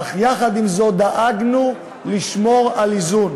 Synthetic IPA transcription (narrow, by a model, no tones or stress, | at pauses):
χjaχad̪imzo̞d̪aʔaɡnu | liʃmo̞ʁalizun